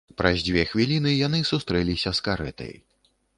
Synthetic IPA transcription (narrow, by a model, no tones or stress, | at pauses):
pɾʔazʲd͡zʲvʲɛxvʲilʲinɨjanɨsust̪ɾɛlʲisʲɐskaɾɛ̰t̪ɐ̰j